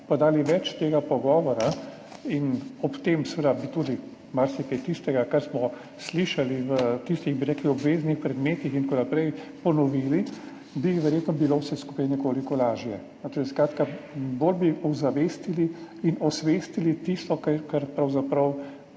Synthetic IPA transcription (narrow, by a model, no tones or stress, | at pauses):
pad̪aːliʋɛt͡ʃt̪eːɡapɔɡɔːʋɔɾa | inɔpt̪emsɛʋed̪abit̪uːd̪i | maɾsɛkɛjt̪ist̪ɛɡakaɾsmɔ | sliʃaliʋət̪ist̪iɣbiɾɛkliɔbʋeːznixpɾɛd̪meːt̪ixint̪̚konapɾɛjpɔnɔʋiːli | bixʋɛɾjeːt̪nɔbilosɛsku̥pajnɛkoːlikɔlaːʒjɛ | nɔt̪oliskɾaːt̪kaboːlbiʔuzaʋest̪iliinɔsʋest̪ilit̪ist̪ɔkakaɾpɾawzapɾɐw